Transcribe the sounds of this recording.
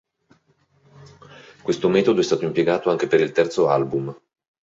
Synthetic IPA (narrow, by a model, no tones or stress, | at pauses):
kwest̪omɛːt̪od̪oɛst̪aːt̪oimpjeɡaːt̪oaŋk̟epeɾilt̪ɛrt̪soalbum